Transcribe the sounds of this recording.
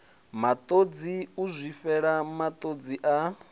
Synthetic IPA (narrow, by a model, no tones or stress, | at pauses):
mat̪ʼod͡ziuzʷifɛɺamat̪ʼod͡ziʔa